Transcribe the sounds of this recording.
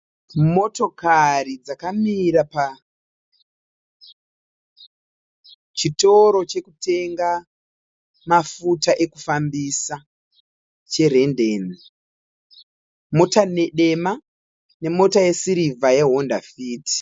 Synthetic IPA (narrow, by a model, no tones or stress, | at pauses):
mo̞to̞karid͡zakamiɾapa | t͡ʃito̞ɾo̞t͡ʃe̞kute̞ŋɡa | mafutaʔe̞ku̥fambisa | t͡ʃe̞re̞ndeːni | mo̞tane̞ɗe̞ma | ne̞mo̞taje̞siɾivajeɦo̞ndafiːti̥